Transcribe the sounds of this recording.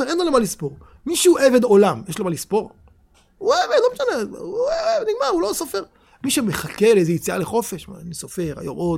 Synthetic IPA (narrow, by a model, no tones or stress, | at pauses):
eenlolomalispo̞ʁ | miʃeuʔeve̞d̪o̞lamjeʃlomalispo̞ʁ | uevedlomeʃaneueevniɡmaulosofe̞ʁ | miʃeme̞χake̞lejzejit͡sia̰leχo̞fe̞ʃmanisofe̞ʁa̰jomʔod